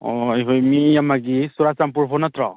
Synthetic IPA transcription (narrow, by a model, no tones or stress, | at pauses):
ɔ̰jɦɯjmijamaɡisuɾasampuɾpʰɔnatɾɔ